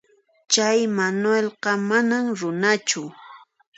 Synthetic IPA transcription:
t͡ʃajmanwelɢɑmanamɾʊnat͡ʃʊ

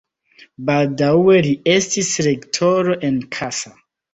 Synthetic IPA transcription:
baldawe̞lie̞stisɾektʰoɾo̞ʔe̞nkʰasa

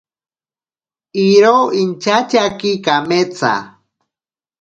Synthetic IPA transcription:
iɾoint͡ʃat͡ʃakikamet͡sa̰

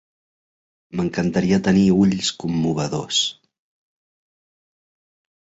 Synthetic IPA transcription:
məŋkənt̪əɾiət̪əniuʎskumːuβ̞əðos

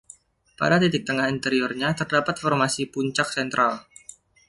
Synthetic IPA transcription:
pa̰dat̪it̪ɪk̚t̪əŋahint̪əɾiɔrɲat̪ərdapat̪fɔrmasipuɲt͡ʃak̚sɛnt̪ɾʔal

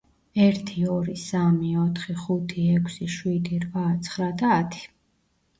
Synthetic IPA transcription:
ɛɾt̪ʰiɔɾisamiɔt̪ʰχiχut̪ʰiɛkʷʰsiʃwid̪iɾvat̪sʰχɾad̪aːt̪ʰi̥

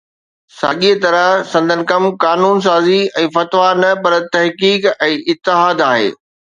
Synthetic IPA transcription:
sa̰ɠit̪ɐɾəɦsɐ̃nd̪ʱənɪ̆kɐmkaːnuːns̬aːziɛ̃ːfɐt̪ʋanɐpɐɾt̪ɐɦkiːkɛ̃ːʔɪt̪ːɪɦaːd̪aːɦḛː

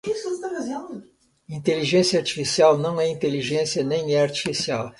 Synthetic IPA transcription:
isʊest̪afazẽnd̪ʊ | ĩt̪eliʒẽsjɐaɾt͡ʃi̥fisiawnɐ̃w̃ɛĩnt̪eliʒẽsiɐnẽj̃ɛaɾt͡ʃi̥fisiaw

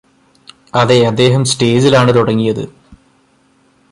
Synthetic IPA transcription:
ɐðeɐd̪ːe̞ːɦɐmsʈe̞ːd͡ʑilaːɳɨt̪uɽɐŋːijɐðɨ̰

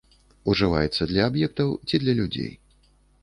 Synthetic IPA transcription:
uʐɨva̰jɛt̪sːɐd̪lʲɐːbjɛk̚t̪ɐwt͡sʲid̪lʲɐlʲud͡zʲḛj

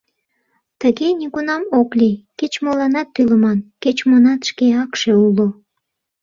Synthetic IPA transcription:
t̪əɣenʲikunɑmoklʲiket͡ɕmolɑnɑt̪ːyləmɑnket͡ɕmonɑt̪ʃkeɑkʃeulo

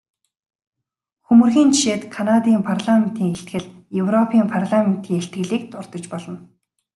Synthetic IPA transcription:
xɵmɵ̆rxiːnt͡ɕi̥ʃeːt̪kʰanat̪iːmpʰarɮamen̥t̪iːŋeɬt̪ɡɘ̆ɮ | jɵwrɔpʰiːmpʰarɮamen̥t̪ʰiːŋeɬt̪ɡɘ̆ɮiːk̚t̪ʊrt̪ɞ̆t͡ɕpɔɮɞ̆n

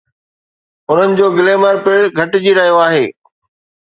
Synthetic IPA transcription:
ʊn̤ənɪ̆d͡ʑoːɡɪleːməɾpɪɽɡʱɐʈɪd͡ʑiɾɐɦijoaːɦeː

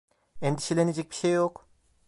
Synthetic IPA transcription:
end̪iʃelʲened͡ʒɛc̚bi̥ʃejːok

